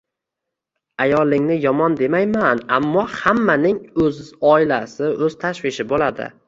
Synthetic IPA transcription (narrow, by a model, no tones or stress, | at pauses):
ajɒlˠɪŋnɪjɒmɒnd̪e̞majmanamːɒhamːanɪŋɵzɒɪlasɪʔɵz̥t̪ʰaʃvɪʃɪbolad̪ɪ̰